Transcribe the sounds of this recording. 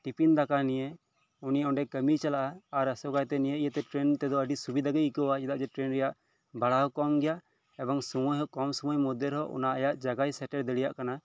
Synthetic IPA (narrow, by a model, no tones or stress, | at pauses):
ʈipind̪akanije | uniɔ̃ɳɖɛkəmit͡ʃalaʔaːɾəsɔɡajt̪ɛnijeʔijət̪ɛʈɾɛnt̪ɛd̪ɔəɖisubid̪aɡɛikɔwat͡ʃɛd̪aʔd͡ʒɛʈɾɛnɾɛjaʔ | bʱaɽaɦɔkɔmɡɛjaʔ | ɛbɔŋsumɔjɦɔkɔmsɔmɔjmɔd̪əɾɦɔʔɔ̰naʔajaʔd͡ʒaɡajsɛʈɛɾd̪ɛɽijaʔkana